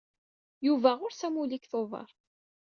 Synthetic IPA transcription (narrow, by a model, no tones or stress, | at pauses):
juvæʁʊɾsæmulikθovɑ̰ɾˤ